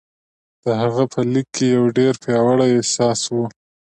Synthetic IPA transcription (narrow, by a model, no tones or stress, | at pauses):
d̪̥əɦaɣapʰəlikʰːejawɖeɾpjɑwaɽajesɑswu